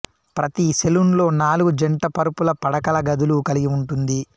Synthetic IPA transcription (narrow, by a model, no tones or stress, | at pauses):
pɾɐt̪iselunlo̞ːnaːluɡud͡ʒɐɳʈɐpɐɾupulɐpɐɽɐkɐlɐɡɐd̪ulukɐliɡiuɳʈund̪i